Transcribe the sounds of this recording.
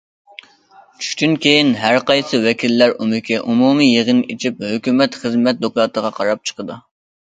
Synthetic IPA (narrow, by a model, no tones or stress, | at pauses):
t͡ʃʰy̥ʃt̪ynkʲʰejinɦæɾqɑjsɨwɛkʲʰilːæɾumɪkʲɛʔumumijeʁɨnit͡ʃʰip̚høkʲymɛt̪χəzmɛt̪̚d̪oklˠɑt̪əʁɑqʰɑɾɑp̚t͡ʃʰə̥qəd̪ɨ